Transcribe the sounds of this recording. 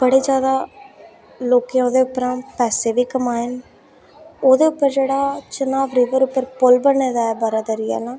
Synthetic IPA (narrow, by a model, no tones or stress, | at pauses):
b̥əɽeːd͡ʒjaːd̪aː | loːkẽjoːd̪eːʊpːəɾãːpɛːseːʋiːkːəmaːɪn | oːd̪eːʊpːəɾd͡ʒeːɽaːt͡ʃʊnaːbɾiːʋəɾʊpːəɾpʊlbəɳːeːd̪aːɛːbəɾaːd̪əɾɪjɛ̰ːlãː